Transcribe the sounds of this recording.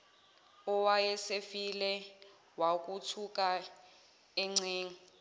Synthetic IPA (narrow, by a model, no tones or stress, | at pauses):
ɔwajɛsefilɛ | wak̬ʼutʰuk̬ʼa | ɛŋ͡ǀeːŋ̩